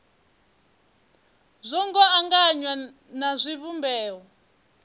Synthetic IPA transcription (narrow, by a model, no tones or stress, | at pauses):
zʷɔŋɡɔaŋɡaɲwa | nazʷiβumbɛːwɔ